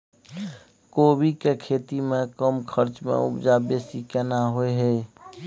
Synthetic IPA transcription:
koːbikekʰeːt̪imẽkəmkʰəɾt͡ʃmḛ̃ʊ̰bd͡ʒabeːsikɛnaɦoeɦɛː

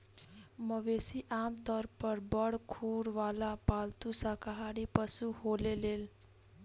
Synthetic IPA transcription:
mʌbesiʔamt̪ʌrpʌɾbʌɽkʰuɽwalapalt̪usakaɦaɽipʌsuholelel

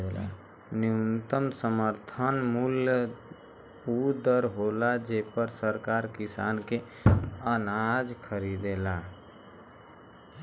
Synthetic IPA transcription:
la̰ | niunt̪əmsəməɾt̪ʰənmuljə | ud̪əɾɦolad͡ʒepəɾsəɾkaɾkisanke | ənad͡ʒkʰəɾid̪ela

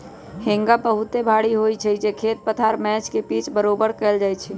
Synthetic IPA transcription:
hẽŋɡabəɦut̪ebʱaɽiɦojt͡ʃʰɛd͡ʒekʰet̪̚pət̪ʰaɾmɛt͡ʃkepit͡ʃbəɾobəɾkɛːld͡ʒajt͡ʃʰɛ

